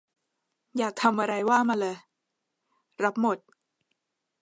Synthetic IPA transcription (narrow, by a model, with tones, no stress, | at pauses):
jaː˨˩k̚t̪ʰa˧mʔa˧ɾa˧jwaː˥˩maː˧lɤː˧˩ | ɾa˦˥p̚mo˨˩t̪̚